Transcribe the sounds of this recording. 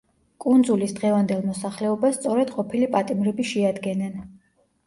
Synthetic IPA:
kʼund̪zulisd̪ʁɛvand̪ɛlˠmɔsaχlɛɔbast̪sʼɔɾɛd̪̥qʼɔpʰilipʼat̪ʼimɾɛbiʃɛad̪ɡɛnɛn

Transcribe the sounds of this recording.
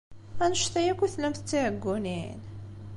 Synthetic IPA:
ænəʃt̪æjækʷːuθlæmθət͡sːiʕəɡʷːunin

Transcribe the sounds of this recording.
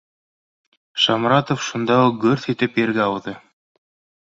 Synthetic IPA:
ʃɑmɾɑt̪ofʃund̪ɑuq̚ɡɵɾθit̪ɘpjɘ̆ɾɡæɑwðɤ

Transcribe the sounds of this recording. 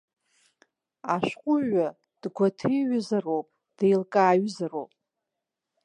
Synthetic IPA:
aʃᶣqʷʼʊʒa | d̥ɡʷatʰɨjɥʊzarowpʼ | d̥ejlkʼaːɥzarowpʼ

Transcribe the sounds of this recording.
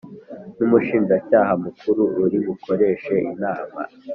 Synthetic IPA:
numuʃiːnd͡ʒacaːɦamukuɾuuɾiɡukʰo̞ɾe̞ːʃe̞ʔinaːma̰

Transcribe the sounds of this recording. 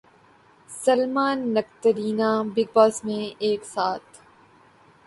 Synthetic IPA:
sɐlmaːnːɐk̚t̪əɾiːnabɪɡ̚bɔːsmẽeːksaːt̪̚ʰ

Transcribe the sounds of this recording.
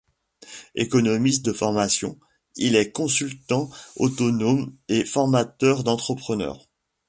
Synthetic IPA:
ḛkɔnɔmist̪̚d̪əfɔʁmasjɔ̰̃ | ilɛkɔ̃sylt̪ɑ̃ot̪ɔnomefɔʁmat̪œʁd̪ɑ̃t̪χəpχənœ̰ːʁ

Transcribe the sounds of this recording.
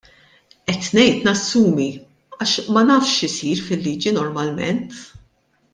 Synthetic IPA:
ʔɛt̪nɛjt̪nɐsːuːmi | ɐːʃmɐnɐːfʃɪsiːɾfɪlːiːd͡ʒinɔɾmɐlmɛ̰nt̪

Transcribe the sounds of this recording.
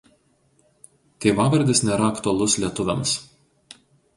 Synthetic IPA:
t̪ʲeːʋɑːʋɐɾʲd̪ʲɪsnʲɛɾɐɐkt̪ʊɐlˠʊslʲiɛt̪ʊʋʲɛ̰ms

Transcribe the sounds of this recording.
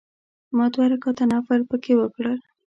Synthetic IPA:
mot̪waɾakat̪anafaɾpəkewəkɽəl

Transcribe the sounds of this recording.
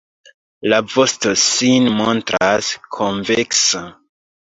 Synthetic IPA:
lavo̞sto̞sinmontɾaskʰoɱveksa

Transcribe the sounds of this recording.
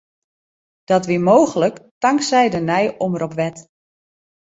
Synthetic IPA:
d̥ɔtʋimoːɣələktaŋksɛjdənɛjoməɾɔpʋɛt

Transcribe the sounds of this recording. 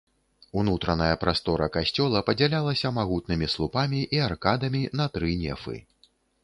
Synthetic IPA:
unut̪ɾɐnɐjɐpɾʔast̪ɔɾɐkasʲt͡sʲɔlˠɐpɐd͡zʲalʲalˠɐsʲɐmaɣut̪̚nɨmʲislˠupamʲiʔiarkad̪ɐmʲinɐt̪ɾɨnʲɛ̰fɨ̰

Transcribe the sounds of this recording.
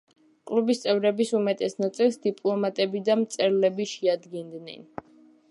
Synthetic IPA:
kʼlubist̪sʼɛvɾɛbisumɛt̪ʼɛsnat̪sʼilˠsd̪ipʼlˠɔmat̪ʼɛbid̪amt̪sʼɛɾlɛbiʃɛad̪ɡɛnd̪nɛ̰n

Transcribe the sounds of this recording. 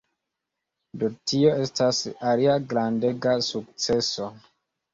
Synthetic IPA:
dotio̞e̞stasaliaɡɾande̞ɡasuk̚t͡se̞so̞

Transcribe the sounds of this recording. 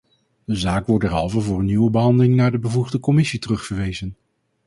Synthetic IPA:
dəzaːkʋɔɹdɛɹɦɑ̰lˠvəvʊːɹənːiʋəbəɦɑndəlɪŋnaːɹdəbəvuχdəkɔmɪsitərɵχfəɹʋejzən

